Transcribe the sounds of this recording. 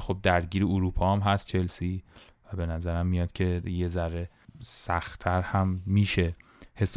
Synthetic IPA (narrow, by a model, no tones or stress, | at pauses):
xob̚d̪æɾɟiːɾeoɾuːpʰɒːæmɦæst̪̚t͡ʃʰe̞lsiː | væbe̞næzæɾæmːijɒːd̪̥cʰe̞je̞zæɾːe̞ | sæxt̪ʰæɾhæmːiːʃe̞ | he̞s